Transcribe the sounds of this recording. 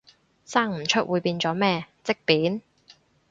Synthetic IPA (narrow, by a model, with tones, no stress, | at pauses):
saː˥ŋm̩˨˩t͡ʃʰɵ˥t̚wʔuː˨˧jpiː˧nt͡sɔː˨˥mɛː˥˧t͡sɪ˥k̚piː˨˥n